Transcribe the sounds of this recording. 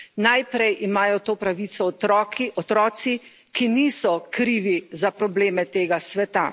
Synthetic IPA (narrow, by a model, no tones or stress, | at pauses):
najpɾɛjʔimaːjɔt̪oːpɾaʋiːt̪sɔt̪ɾɔkiɔt̪ɾɔːt̪si | kiniːsɔkɾiːʋizapɾɔbleːmɛt̪eːɡasʋɛt̪a